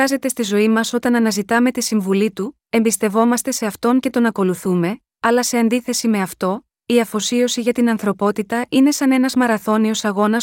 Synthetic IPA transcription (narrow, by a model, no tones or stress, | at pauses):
ɐze̞t̪e̞st̪izo̞imɐso̞t̪ɐnɐnɐzit̪ɐme̞t̪isiɱvulit̪u | e̞mbist̪e̞vo̞mɐst̪e̞se̞ɐft̪o̞ɲce̞t̪o̞nɐko̞luθume̞ | ɐlɐse̞ɐnd̪iθe̞sime̞ɐft̪o̞ | iɐfo̞sio̞siʝɐt̪inɐnθɾo̞po̞t̪it̪ɐʔine̞sɐne̞nɐzmɐɾɐθo̞nio̞sɐɣo̞nɐs